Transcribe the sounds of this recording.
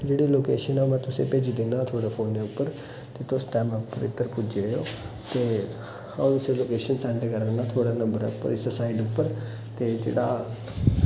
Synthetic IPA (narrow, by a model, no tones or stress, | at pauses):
d͡ʒeːɽiːloːkeːʃənɛmɛ̃ːt̪ʊsẽːpeːd͡ʒid̪enãːt̪ʰoːɽaːpʰoːneːʊpːəɾ | t̪eːt̪osʈɛːməpːəɾɪ̰t̪ːəɾpʊd͡ʒejo̰ː | t̪eː | hãt̪ʊsẽːloːkeːʃənsɛ̃ːɳɖkəɾənãːt̪ʰoːɽaːnə̃mbəɾɛ̰ːʊpːə̰ɾɪssaːɪɖʊpːəɾ | t̪eːd͡ʒḛːɽaː